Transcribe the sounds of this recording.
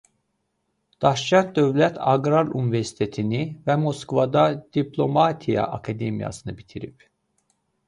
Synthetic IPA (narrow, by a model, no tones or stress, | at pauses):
d̪̥ɑʃt͡ʃʰæn̚d̪ø̞vlæt̪ʰɑɡɾɑɾunive̞ɾsi̥t̪ʰet̪ʰinivæmo̞skvɑd̪ɑd̪̥ipʰlˠo̞mɑt̪ʰijɑ̰ʔɑkʰɑd̪emijɑ̰sɯnɯbit̪ʰiɾip